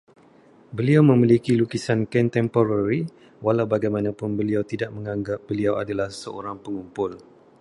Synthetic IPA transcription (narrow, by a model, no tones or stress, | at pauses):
bəliawmə̃milikilukisankɛnt̪ɛmpoɾaɾi | walawbaɡajmanãpʊnbəliawt̪idaʔ̚mə̃ŋaŋɡap̚b̥əliawa̰dalahsəʔo̰ɾaŋpəŋumpʊl